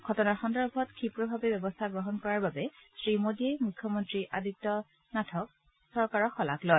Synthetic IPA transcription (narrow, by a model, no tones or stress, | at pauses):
ɡ̥ʱɔtɔnaxɔndɔɹbʱɔtkʰipɹɔbʱabɛbɛbɔstʰaɡɹɔɦɔnkɔɹaɹbabɛsɹimodiejmukʰːjɔmɔntɹiʔadiktɔ | natʰɔk̚ | sɔɹkaɹɔxɔla̰klɔj